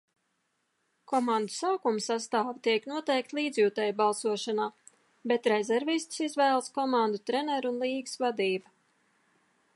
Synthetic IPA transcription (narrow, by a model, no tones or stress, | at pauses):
kɔmãnd̪usaːkumsast̪aːvt̪iɛknuɔt̪ɛjk̚t̪lˠiːd̪zʲjuːt̪ɛjbalˠsuɔʃanaː | bɛt̪ɾɛzɛɾvist̪sizvæːlˠskɔmand̪ut̪ɾɛnɛɾunlˠiːɡsvad̪iːbɐ